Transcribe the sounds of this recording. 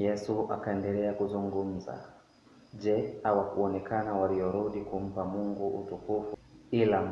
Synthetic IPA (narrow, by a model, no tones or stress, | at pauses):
jɛsua̰kaɛndɛlɛakuzuŋɡum̩za̰ | ʄɛhawakuɔnɛkʰanawalijɔɾuɗikum̩pamuŋɡuʔutukufuila